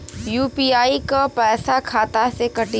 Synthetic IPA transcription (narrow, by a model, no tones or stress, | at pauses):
juːpiːaːikapɛːsakʰaːt̪asekɐʈi